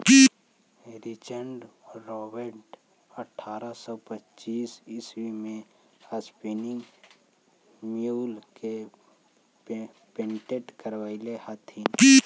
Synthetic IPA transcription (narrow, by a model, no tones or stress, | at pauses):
ɾɪt͡ʃəɳɖɾɔːbəɾʈ | əʈʰːaːɾasɔpətːt͡ʃiːsɪswimẽ | əspinɪŋɡ | mijuːlke | peɳʈeʈkəɾʋaːilehət̪ʰin